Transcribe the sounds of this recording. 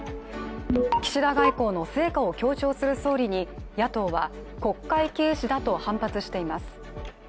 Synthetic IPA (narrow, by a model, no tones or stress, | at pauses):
kʲi̥ɕiɾaɡaiko̞ːno̞se̞ːkao̞kʲo̞ːt͡ɕo̞ːsɨɾɯ̟so̞ːɾʲiɲ̟ijat̪o̞ːβa | ko̞kːaike̞ːɕid̪at̪o̞hãmpat͡sɨɕi̥t̪e̞imasɨ̥